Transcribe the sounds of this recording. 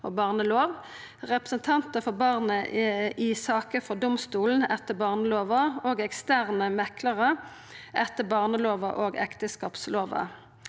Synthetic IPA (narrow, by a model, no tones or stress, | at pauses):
o̰ːbɑːʁnəloːʋ | ʁɛpʁəsənt̪ʰɑnt̪əfɔʁbɑʁnəʔɪsɑːkəfɔʁd̪ʊmst̪uːln̩ɛt̪ːəbɑːʁnəloːʋəoːɡɛkst̪æːʁnəmɛkʰləʁə | ʔɛt̪ːəbɑːʁnəloːʋə̰ʔoːɡɛ̰kt̪əskɑːpsloːʋə̰